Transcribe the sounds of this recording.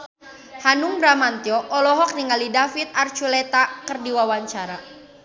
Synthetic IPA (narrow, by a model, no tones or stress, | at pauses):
hanuŋbɾamant̪iɔʔɔlɔɦɔk̚niŋalidafit̪̚art͡ʃulɛt̪akərdiwawaɲt͡ʃaɾa